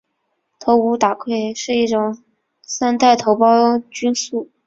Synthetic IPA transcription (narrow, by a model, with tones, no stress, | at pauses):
t̪ʰo˧˥ʊu˧˥t̪a˨˩kʰwe˥˧ɪʂɻ̩˥˧i˥˩ʈ͡ʂʊ˨˩ŋ | sa˥nt̪a˥˩ɪt̪ʰo˧˥ʊpɑ˥ʊt͡ɕy˥nsu˥˩